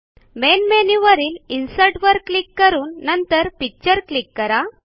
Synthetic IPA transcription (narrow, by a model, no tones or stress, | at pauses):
menmeniʋəɾiːlinsəɾʈʋəɾklikːəɾuːnːənt̪əɾpik̚t͡ɕəɾklikːəɾa